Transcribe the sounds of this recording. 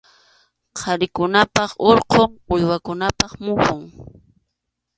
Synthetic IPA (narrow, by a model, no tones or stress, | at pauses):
qʰɑɾɪkʊnapɑχoɾqoŋʊjwakʊnapɑχmʊhʊŋ